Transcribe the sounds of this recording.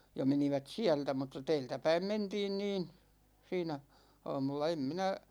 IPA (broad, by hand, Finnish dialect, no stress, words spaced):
jɑ meniʋæt siæltæ mutːɑ tɛːltæpæim mentiːn niːn siːnæ ɑ̝ːmulːɑ em minæ